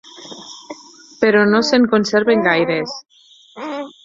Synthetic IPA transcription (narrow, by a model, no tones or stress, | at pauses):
peɾɔnoseŋkonseɾβeŋɡajɾes